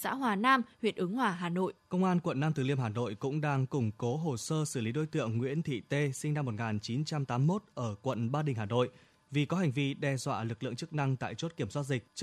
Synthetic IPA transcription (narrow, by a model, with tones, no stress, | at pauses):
sa̰ː˧˥ɦwaː˨˩naː˧mhwḭ˨˩ət̚ʔɨ˨˦ŋhwaː˨˩ɦaː˨˩no̰˧˨jkə˧wŋ͡mʔaː˧nkwə˧˨nːaː˧mt̪ʰɨ˨˩li˧əmɦaː˨˩no̰˧˨jkʊ̰˧˥ŋ͡mɗaː˧ŋkʊ˨˧˩ŋ͡mko˨˦ɦo˨˩səː˧sɨ˧˩li˨˦ɗo˨˦jt̪ɨ̰˧˨əŋːwḭ˧˥ənt̪ʰḭ˧˨t̪e˧sï˧na˧mː˨˩t̚ŋaː˨˩nt͡ɕi˨˦nt͡ɕa˧mt̪aː˨˦mːo˦˥t̚ʔəː˧˩kwə̰˧˨nɓaː˧ɗï˨˩ŋ̟ɦaː˨˩no̰˧˨j | vi˨˩kɔ˨˦ɦa˨˩jŋ̟vi˧ɗɛ˧zwa̰ː˧˨lɨ˨˩k̚lɨ̰˧˨əŋt͡ɕɨ˦˥k̚na˧ŋt̪a̰ː˧˨jt͡ɕo˦˥t̚ki˧˩əmswaː˦˥t̚zï˨˩k̟̚t͡ɕ